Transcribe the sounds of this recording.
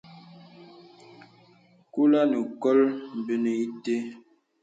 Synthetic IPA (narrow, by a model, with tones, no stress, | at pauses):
ku˦la˦nu˨kɔ˦lm̩˨bə˦nə˨i˦te˦